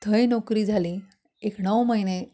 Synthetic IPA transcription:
t̪ʰəjnɔkɾiːd͡zʱaliː | ekɳəwməɦine

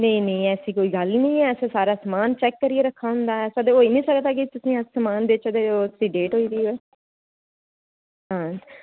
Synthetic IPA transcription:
nẽĩnəĩːɛːsiːkoːiːɡəlnĩːɛːseːsaːɾaːsəmaːnt͡ʃɛːkːəɾieːɾəkʰːaːɦʊ̃nd̪aːɛːsad̪eoːiːnĩːsəkd̪aːk̬ɪt̪ʊsĩːəsəmaːnd̪eːt͡ʃəd̪eːosĩɖeːʈɦoːiːd̪iːɛː | ãː

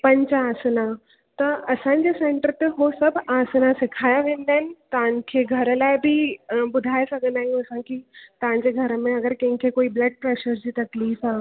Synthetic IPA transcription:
pɐ̃ɲt͡ɕaːsəna | t̪ɐɐsãɲd͡ʑesẽːɳʈəɾt̪eɦosɐbʱaːsənasɪkʰaːjaʋẽːn̆d̪aːɦɪnɪ̆t̪ɐʋ̤̃nkʰeːɡʱɐɾəlaːɪbʱibʊd̪ʱaːesɐɡʱə̃nd̪aːɦɪnũɐsãkit̪ɐʋ̤ãɲ̆d͡ʑeɡʱɐɾəmẽɐɡəɾkɐ̃ɦɪ̃kʰekoːiblɐɖ̚pɾeːʃəɾd͡ʑiːt̪ɐkliːfaː

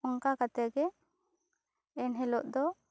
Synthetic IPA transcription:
ɔŋkakat̪ɛɡɛ | ɛnɦɛlɔʔd̪ɔ

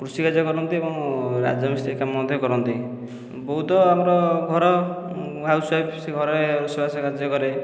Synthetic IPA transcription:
kɾusikad͡ʒɔkɔɾɔnt̪iebɔŋɾa̰d͡ʒɔmist̪ʰikamɔd̪ʱjɔkɔɾɔnt̪i | bɔɦut̪ɔamɔɾɔɡʱɔɾɔ | ɦawswajpseɡʱɔɾɔeɾusibasɔkad͡ʒɔkɔɾe

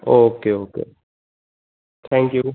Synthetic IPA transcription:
okʰeokʰḛ | t̪ʰɛ̃ŋkju

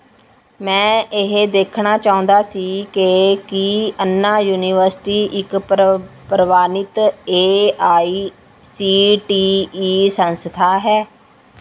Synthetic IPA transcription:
mɛ̃ːɪɦed̪eːkʰɳaːt͡ʃaːʊ̃nd̪aːsiːkekiənːaːjuːniːʋəɾsɪʈiːʔɪk | pɾəʋaːnɪt̪eːaːiː | siːʈiːiːsənst̪ʰaːɦɛː

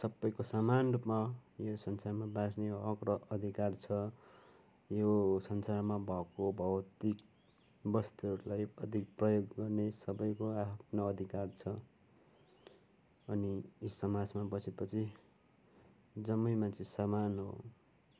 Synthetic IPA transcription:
sʌbːʌjkosamanrupmajosʌnsarmabasneʌkɾʌːd̪ʱikart͡sʰʌ | josʌnsarmabʱʌkobʱʌwt̪ik | bʌst̪iʌɾulajʌd̪ʱikprʌjoɡːʌrnesʌbʌjkoapʰnoʌd̪ʱikart͡sʰʌ | ʌniisʌmad͡zmabʌsʰepʌt͡sʰi | d͡zʌmːʌjmant͡sʰesamanɦo̰

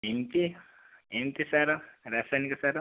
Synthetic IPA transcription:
emt̪i | emt̪isaɾɐɾaːsanikɐsaɾɐ

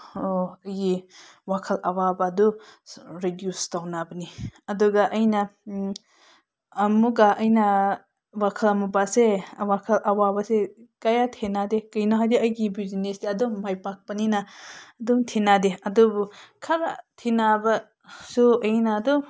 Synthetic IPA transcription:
ɐjɡiwakʰɐlʔawabɐdɔ | ɾidjustawnabɐniɐduɡaʔɐjnɐ | muɡaʔɐjnɐ | wakʰɐlamubasewakʰɐlʔawabɐsekajatʰenadekɯjnaɦajdiɐjɡibizinesdeɐdɔmajpak̚pɐninaːdɔŋtʰenadeɐdubukʰaɾatʰinabɐ | suɐjnadɔ

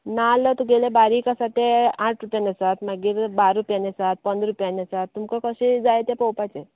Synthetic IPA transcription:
nalːət̪ɔɡelebaɾikasat̪eãʈʰɾupjanasat̪maɡiːɾbaɾupjãnesat̪̚pənd̪ɾupjanesat̪ːumkakəɕed͡zajet̪epɔwpat͡ɕe

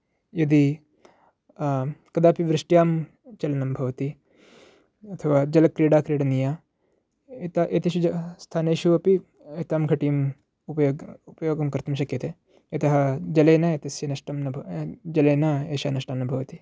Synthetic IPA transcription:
jɐd̪i | kɐd̪aːpiʋɾɪʂʈjaːm | t͡ʃɐlnɐmbʱɐʋɐt̪i | ɐt̪ʰɐʋaːd͡ʒɐlɐkɾiːɽaːkɾiːɽɐnijaː | et̪aʔet̪ɐʃuɐst̪ʰaːneːʃuʋɐpi | et̪aːmɡʱɐʈiːm | upɐjoːupɐjoːɡɐmkɐɾt̪ɐmʃ̬ɐkjɐt̪e | ɐt̪ɐɦɐd͡ʒɐleːnɐjet̪ɐsjɐnɐʃʈɐmnɐbʱd͡ʒɐleːnɐeːʃaːnɐʃʈaːnːɐbʱɐʋɐt̪i

